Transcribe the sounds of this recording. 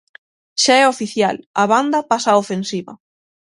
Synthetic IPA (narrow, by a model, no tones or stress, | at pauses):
ʃaɛofiθja̰lɐβand̪ɐpasaːofensiβɐ̰